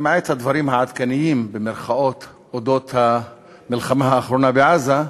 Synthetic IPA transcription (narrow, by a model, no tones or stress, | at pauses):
maʕet̪had̪vɑɾiːmhaʕad̪kanɪjiːmbɪmɪɾxaʔoːt̪ | ʔod̪oːt̪ha | mɪlxamahaʔaxɾuːnabɪʕaza